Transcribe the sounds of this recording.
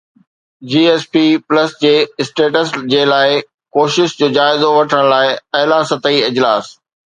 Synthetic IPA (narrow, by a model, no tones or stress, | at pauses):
d͡ʑiːeːspiːpləsd͡ʑeːɪsʈeːʈəsd͡ʑeːlaːɪ | koːʃɪʃd͡ʑoːd͡ʑaːɪzoʋɐʈʰəɽ̃laːɪɐɦlaːsɐt̪əiɪd͡ʑlaːs